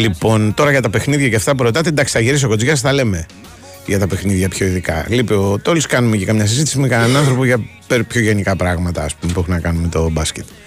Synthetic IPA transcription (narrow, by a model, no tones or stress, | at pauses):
lipo̞nt̪o̞ɾɐʝɐt̪ɐpe̞xniðʝɐceft̪ɐp̬uɾo̞t̪ɐt̪ind̪ɐkst̪ɐʝiɾis̬o̞kod͡zʝɐsθɐle̞me̞ | ʝɐt̪ɐpe̞xniðʝɐpço̞iðikɐ̰lipeot̪oliskɐnumecekɐmɲɐsizit̪i̥simikɐnɐnɐnθɾo̞poʝɐpeɾpço̞ʝe̞nikɐpɾɐɣmɐt̪ɐːspumepuexunɐkɐnumet̪o̞bɐscet̪